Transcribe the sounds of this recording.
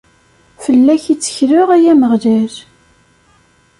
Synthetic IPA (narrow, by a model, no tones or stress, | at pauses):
fəlːæçit͡sːə̥çɾʊʁæjæməʁlæɾ